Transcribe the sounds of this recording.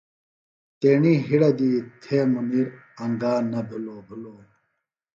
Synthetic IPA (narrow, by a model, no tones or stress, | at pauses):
t̪eːɳiɦiɽɐd̪it̪ʰemuniɾ | ɐŋɡaːnɐbʱuloːbʱuloː